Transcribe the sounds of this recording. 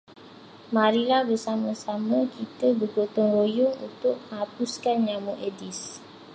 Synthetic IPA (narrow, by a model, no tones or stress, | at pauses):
maɾilahbərsamãsamə̃kit̪əbəɡot̪ɔŋrojʊŋṵnt̪ʊʔ̚mə̃ŋɦapuskanɲamuʔedis